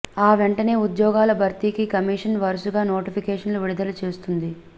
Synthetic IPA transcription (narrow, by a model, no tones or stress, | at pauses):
aːʋɛɳʈɐne̞ːud̪jɔːɡaːlɐbʱɐɾt̪ikikɐmiːʂɐnʋɐɾɐsuɡaːnoːʈipʰikɛːʂɐnluʋiɽid̪ɐlɐt͡ʃe̞ːst̪und̪i